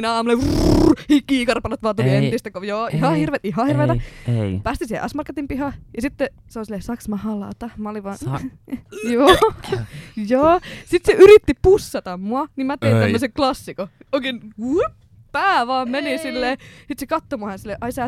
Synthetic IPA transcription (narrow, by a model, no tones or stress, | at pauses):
nɑːmuleuhikːiːkɑrpɑlɑt̪ʋɑːt̪uliet̪ist̪ækojoːihɑhirʋeːt̪iɦɑhirʋeːt̪ɑpæːst̪isiːhḛʔɑsmɑrkːet̪impihɑjɑsit̪ːe | seolnsilːesɑksmɑhɑlɑ̰ːt̪ɑmɑoliʋɑː | joː | joːsit̪seʔyɾit̪ːipusːɑt̪ɑmmuɑnimæt̪einæmːøseklɑsːikooikenup | pæːʋɑːmmenisilːeːsit̪sekɑt̪ːomuɑhɑnsilːeʔɑisæː